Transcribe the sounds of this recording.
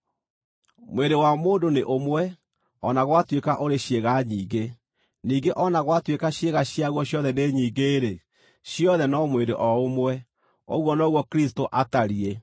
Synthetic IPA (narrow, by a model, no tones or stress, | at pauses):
mweɾewamoːdoneʔomwɛ | ɔnaɣwatwekaʔoɾeɕjeɣaɲiːɡe | niːɡeʔɔnaɣwatwekaɕjeɣaɕiaɣwɔɕjɔðɛneɲiːɡeːɾe | ɕjɔðɛnɔmwedeʔɔomwɛ | o̰ɣwɔnɔɣwɔkɾistoʔataɾie